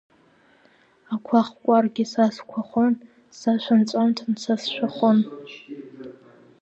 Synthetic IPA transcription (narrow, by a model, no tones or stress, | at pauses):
akʷʰaχʷkʷʼarɡʲɪsaskʷʰaχʷon | saʃʷant͡ɕʷʼantʰnt͡sʰasʃʷᶣaχʷʊn